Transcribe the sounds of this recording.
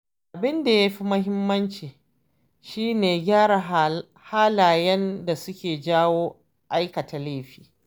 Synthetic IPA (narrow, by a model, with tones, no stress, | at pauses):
ʔʔa˨bɪ˦nda˨ja˦ɸi˦mɐ˦ɦɪ˦mːɐ˦nt͡ʃiː˨ | ʃiː˦neː˨ɡʲaː˦ɽa˨ | haː˦laː˨jɛ˦nda˨sʊ˦kʲeː˨d͡ʒaː˦woː˦ | ʔa˦jkɐ˨ta˨leː˦ɸi̥ː˨